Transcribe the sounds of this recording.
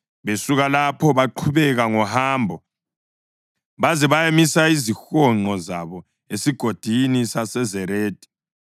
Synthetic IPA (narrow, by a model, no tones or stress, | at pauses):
βesuɣalapʰɔβaǃʰuβɛɣaŋɔhaːmbʱɔ | βazɛβajemisaizixɔŋ͡ǃɔzaβɔ | esiɡ̥ʱod̥ʱinisasɛzɛɾeːd̥ʱi̥